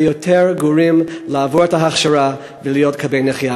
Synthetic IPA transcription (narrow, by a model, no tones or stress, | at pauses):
jotʰeɹɡoɹimlaːvuɾetaɦaχʃaɾa | velijotkʰabejneχja